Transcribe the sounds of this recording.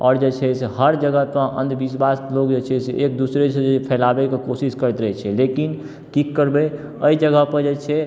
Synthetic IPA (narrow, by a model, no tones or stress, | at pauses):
ɔːɾd͡ʒet͡ʃʰɛsɦəɾd͡ʒəɡəpəɾə̰̃nd̪bisbaslokd͡ʒet͡ʃʰɛseʔek̚d̪usɾet͡ʃʰeepʰɛlabekekosiskəɾɛt̪ɾəɦɛt͡ʃʰɛlekin | kikːəɾbɛ | əid͡ʒəɡəpəɾd͡ʒet͡ʃʰɛ